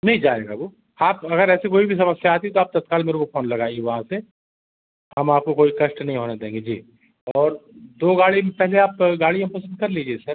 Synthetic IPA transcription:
nɐɦĩd͡ʒaːɾeːɡabuː | aːpɐɡəɾɛːsekoːibʱis̬ɐməsjaːt̪iɦɛt̪oaːp̚t̪ɐt̪kaːlmeːɾõkopʰoːnlɐɡaːiɡeʋɐɦãse | ɦɐmaːp̚kokoːikɐʃʈnɐɦĩɦoːned̪ẽːŋɡed͡ʒiː | ɔːɾd̪oːɡaːɽimẽpɛɦleaːpɡaːɽijãpɐsə̃nd̪̚kɐɾliːd͡ʒiesɐɾ

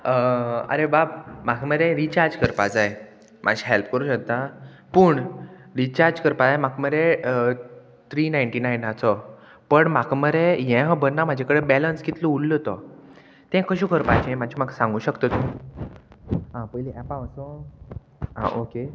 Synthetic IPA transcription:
əə̰ɾebabmakʰməɾeɾit͡ɕaɾd͡ʑkəɾpad͡zaj | mʔa̰ɕiɦelpkəɾuːɕək̚t̪a | puːɳ | ɾit͡ɕaɾd͡ʑkəɾpad͡zajmakməɾe | t̪ɾiːnajɳʈinajnat͡sɔ | pəɳmakʰməɾejɛ̃ɦə̃bənːamad͡ʑʱakəɽebɛlənskit̪loullət̪ɔ | t̪ɛ̃kəɕukʰəɾpat͡ɕɛ̃mat͡ɕʰimaksãŋɡuːɕəkt̪ət̪u | ɦãpəjliʔɛpãəsɔ | ɦã̰ʔoke

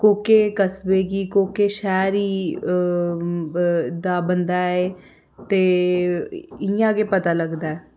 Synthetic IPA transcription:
koːkeːkəsbeːɡiːkoːkeːʃɛːɾiː | d̪aːbənd̪aːeː | t̪eː | ɪjãːɡeːpət̪aːləɡd̪aːɛː

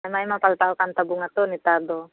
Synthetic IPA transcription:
maimapalt̪aʔokant̪abuŋat̪onit̪ad̪o

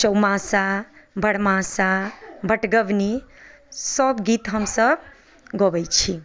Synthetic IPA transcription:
t͡ʃəwmãsabʱəɽmasabʱəʈɡəbni | səbɡit̪ɦəmsəb | ɡɔbəjt͡ʃʰi

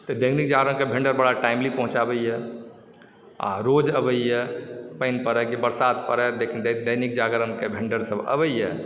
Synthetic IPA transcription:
t̪əd̪ənik̚d͡ʒaɡɾənkebʱeɳɖəɾbəɽaʈaɪmlipə̃ɦũt͡ʃabəijɛ | a̰ɾod͡ʒəbəjjɛpəɪnpəɾɛkebəɾsat̪pəɾɛd̪ekʰind̪d̪əjnik̚d͡ʒaɡɾənkebʱeɳɖəɾsəbə̰bəjjɛ

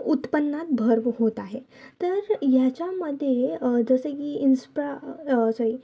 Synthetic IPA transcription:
ut̪pənːat̪̚bʱəɾʋɦot̪aɦe | t̪əɾjat͡ɕjaməd̪ʱːjed͡zəsəkiːinspɾasəi

